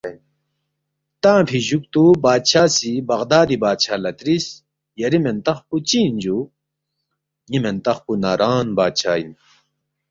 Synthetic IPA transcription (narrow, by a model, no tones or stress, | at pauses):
n | t̪ãːpʰiʑuk̚t̪ubaːd̪ɕʰaːsibɐʁd̪aːd̪ibaːt̪ɕʰaːlɐt̪ɾis | jɐɾiment̪ɐχput͡ɕiːnd͡ʑu | jiment̪ɐχpunaːɾaːnbaːt̪̚t͡ɕʰaːin